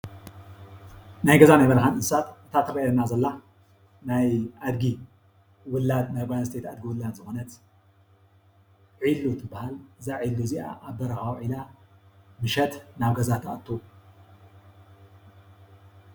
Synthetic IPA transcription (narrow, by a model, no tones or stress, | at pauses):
najɡɐzanajmɐlxanɨsat̪ɨt̪ʰat̪ʰɨɾɐjɐnazɐlːa | najʔad̪ɡi | wʊlːad̪najbajanst̪ʰet̪ad̪̚ɡiwʊlːad̪zɨxonɐt̪ | ʕilːut̪ʰɨbːahalzaʕilːuziʔa̰ʔːbɐɾɐxawʕila | mɨʃɐt̪naβɡɐzat̪ʰaʔɐt̪ʰːo